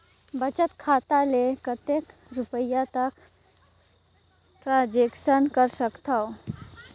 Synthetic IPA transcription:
bət͡ʃət̪kʰaːt̪alekət̪ekɾʊpəjat̪ək | ʈɾãd͡ʒekʃənkəɾsəkt̪ao

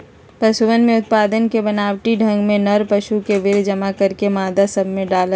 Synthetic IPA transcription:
pɐʃuʋənmẽʊt̪̚paːd̪ənkebɐnaːwʈiɖʱɐ̃ŋɡmẽnɐɾpɐʃukeʋɪɾd͡ʒɐmakɐɾkemaːd̪asɐbʱmẽɖaːlə

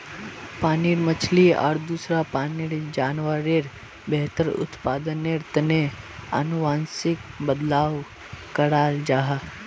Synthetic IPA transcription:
paːniɽmət͡ʃʰliɔ̰ːɾd̪uːsɾapaːniɾd͡ʒaːnʋaɾeɾ | bɛɦt̪əɾʊ̰t̪paːd̪əneɾt̪əneə̰nʊʋaːnsɪk̚bəd̪laːʋ | kəɽaːld͡ʒaːɦa

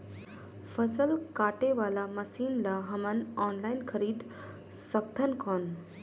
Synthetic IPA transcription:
fʰəsəlkaːʈeʋaːlamɐsiːnlaɦɐmənɔːnlaːɪnkʰəɾiːd̪ | səkt̪ʰənkʰoːn

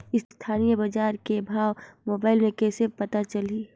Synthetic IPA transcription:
ɪst̪ʰaːnijəbɐd͡ʒaːɾkebʱaːʋmoːbaːɪlmẽkɛːsepɐt̪at͡ʃɐliː

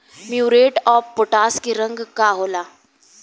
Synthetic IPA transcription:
mjuɾeʈɔfpoʈaskiɾəŋɡkaɦola

